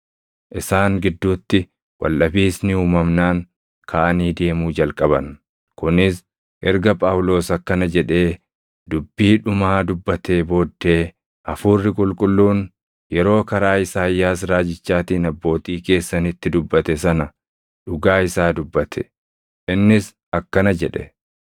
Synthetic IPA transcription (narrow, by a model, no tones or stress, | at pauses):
ʔɪsaːŋɡɪd̪ːuːt̪ːɪ | wɐ̰lʔɐbiːsnɪhuːmɐmnaːŋ | kʰaːʔɐniːd̪e̞ːmuːd͡ʒɐlkʼɐbɐn | kʊnɪs | ʔɛɾɡɐpʼaːwlo̞ːsɐkːɐnɐd͡ʒɛᶑe̞ː | d̪ʊbːiːᶑʊmaːd̪ʊbːɐt̪ʰe̞ːbo̞ːd̪ːe̞ː | ʔɐfuːrːɪkʼʊlkʼʊlːuːn | jɛɾo̞ːkɐɾaːɪsaːjːaːs̬ɾaːd͡ʒɪt͡ʃːaːt̪iːnɐbːo̞ːt̪iːke̞ːsːɐnɪt̪ːɪd̪ʊbːɐt̪ɛsɐnɐ | ᶑʊɡaːɪsaːd̪ʊbːɐt̪ʰɛ̥ | ʔɪnːɪs | ɐkːɐnɐd͡ʒɛᶑɛ̰